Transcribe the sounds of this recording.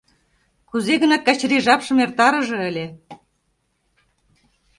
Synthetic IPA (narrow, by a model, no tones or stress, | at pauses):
kuzeɣɤ̆nɑt̪̚kɑt͡ɕɾiʒɑpʃɤ̆mert̪ɑɾɤ̆ʒɤ̆ə̆lʲe